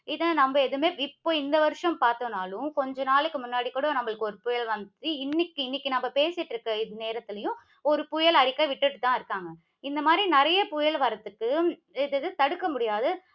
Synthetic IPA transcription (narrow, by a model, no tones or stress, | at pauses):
ɪðɐnɐmbɐɛðɯmeːɪpːoːɪnd̪ɐʋɐɾɯʂɐ̃mpaːɾt̪oːnaːlʊ̃kɔɲd͡ʒɔnaːɭɯkːɯmʊnːaːɽikuːɽɐ̃nɐmːɐɭɯkːɯɔɾɯpʊjɐɭʋɐnd̪iɪnːɪkːɯɪnːɪkːɯnɐmːɐpeːsɪʈːɾɯkːɐɪðɯneːɾɐt̪ːɪlɐjʊ̃ | ɔɾɯpʊjɐɭɐɽɪkːaʋɪʈːɯʈːɯt̪ːãːɪɾɯkːaːŋɡɐ | ɪnd̪ɐmaːd̪ɾinɪɾɐjɐpʊjɐɭʋɐɾɐt̪ːɯkːɯ | ɪðɯðɯt̪ɐɽɯkːɐmʊɽɪjaːðɯ